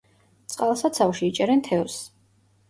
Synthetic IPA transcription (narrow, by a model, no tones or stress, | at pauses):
t̪sʼqʼalˠsat̪sʰawʃiit͡ʃʼɛɾɛnt̪ʰɛɔs